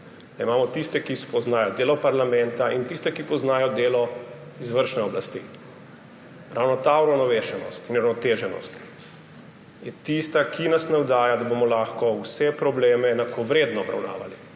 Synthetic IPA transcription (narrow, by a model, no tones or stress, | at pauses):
d̪̥aimaːmɔt̪ist̪ɛkispɔznaːjɔd̪eːlɔpaɾlamɛnt̪aint̪ist̪ɛkipɔznaːjɔd̪eːlɔ | izʋəɾʃnɛɔblast̪ḭː | ɾʔawnɔt̪auɾawnɔʋeːʃɛnɔ̰st̪inuɾawnɔt̪eːʒɛnɔ̰st̪ | jɛt̪ist̪akʰinasnawd̪aːjad̪abomɔlaxkɔwsɛpɾɔbleːmɛːnakʰoʋɾeːd̪nɔɔbɾa̰wna̰ːʋa̰li